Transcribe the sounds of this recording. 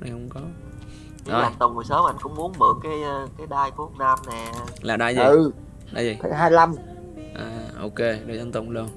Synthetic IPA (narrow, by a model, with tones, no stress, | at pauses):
na˨˩jhə˧wŋ͡mkɔ˨˦ | oː˧˩˨ŋt̪ʊ˨˩wŋ͡mho˨˩jsəː˨˦m˨a˧˦ŋkʊ̰˧˥ŋ͡mmu˨˦ənɓɨ˨˩əŋkːaː˨˦jkaː˨˦jɗaː˧jku˦˥ək̚naː˧mnɛ˨˩laː˨˩ɗaː˧jzi˨ɨ˨˩ | ɗaː˧˩zi˨˩ə̰˧˦jɦaː˧jla˧m | ʔaː˨˩ʔo˧ke˧ɗə˨˩zə˧nt̪ʊ˨˩ŋ͡mlu˧ən